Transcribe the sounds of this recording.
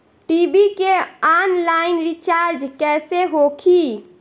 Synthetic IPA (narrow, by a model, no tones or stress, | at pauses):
ʈibikeanlaɪinɾit͡ʃaɾd͡ʒkɛseɦokʰi